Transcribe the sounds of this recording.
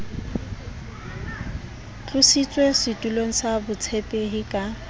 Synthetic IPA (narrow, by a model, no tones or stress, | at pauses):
t͡ɬʰʼʊsit͡sʼwesɪtʼuloŋ̩sabʊt͡sʰɛpʼɛɦɪkʼa